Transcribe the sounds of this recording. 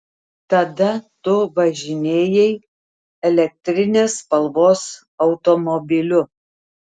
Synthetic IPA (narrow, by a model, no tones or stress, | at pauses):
t̪ɐd̪ɐt̪ʊʋɐʒʲɪnʲeːjɛɪ | ɛlʲɛk̚t̪ʲɾʲɪnʲeːspɐlˠʋoːs | ɐʊt̪ɔmɔbʲɪlʲʊ